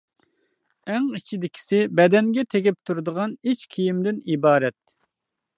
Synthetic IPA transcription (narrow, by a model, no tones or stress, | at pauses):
æŋit͡ʃʰid̪ɪkʲʰi̥sɪbɛd̪ɛŋɡʲɛt̪ʰeɡʲɪp̚t̪ʰuɾd̪əʁɑnit͡ʃkʲʰijimd̪ɪnibɑːɾɛt̪̚